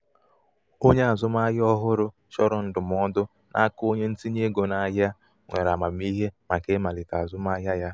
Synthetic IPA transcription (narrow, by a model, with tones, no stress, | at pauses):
o˦ɲe˦a˨zʊ˦ma˦jɔ˦ɦʊ˦ɾʊ˦ | ʃɔ˦ɾɔ˨n̩˦dʊ˨m˨ɔ˦dʊ˦ | nʔa̰˦ko˦ɲe˦n̩˦ti˦ɲe˦ɡo˨na˨˦ja˦ | ŋʷe˨ɾa˨ma˨m˦i˦ɦe˦ma˨ke˦ma˨lɪ˨ta˨a˨zʊ˦ma˦ja˦ja˦